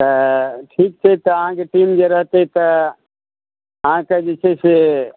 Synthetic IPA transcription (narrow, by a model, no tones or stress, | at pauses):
t̪əʈʰiːk̚t͡ʃʰɛt̪əəɦãkeʈiːmd͡ʒeɾəɦt̪et̪ə | ɦãked͡ʒet͡ʃʰese